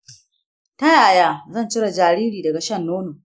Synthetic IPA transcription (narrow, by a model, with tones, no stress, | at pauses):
tɐ˦jaː˨jaː˦zɐ˦˨nt͡ʃɪ˦ɽa˨d͡ʒaː˨ɾiː˦ɾiː˨dɐ˨ɡa˨ʃɐ˦˨nːoː˦noː˨